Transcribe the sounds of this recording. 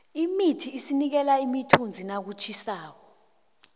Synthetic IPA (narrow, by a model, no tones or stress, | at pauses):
imitʰiːsinik̬ɛlaimitʰund͡zʱinak̬ut͡ʃʰisaːk̬ɔ